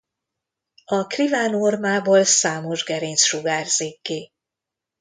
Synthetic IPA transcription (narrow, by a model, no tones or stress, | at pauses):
ɒkrivaːnormaːboːlsaːmo̞ʒɡɛɾeːnsʃuɡaːrz̥eːkːeː